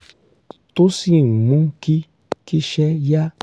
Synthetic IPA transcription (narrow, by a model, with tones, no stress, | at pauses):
to˦si˦˨mũ˨˦ki˦ | ki˦ʃɛ˦ja˦